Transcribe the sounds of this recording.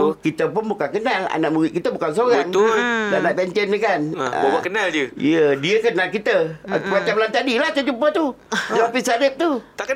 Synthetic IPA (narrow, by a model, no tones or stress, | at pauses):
kit̪əpunmbukakənːalʔa̰na̰muwḭkit̪əbukans̬oɣaŋlanat̪ɛnt͡ɕənɲəkan̰akənaljəɗiəkənalkit̪əwat͡ɕamlant̪aɗilat͡ɕɔt͡ʃumpət̪uzɔpisadip̚t̪ua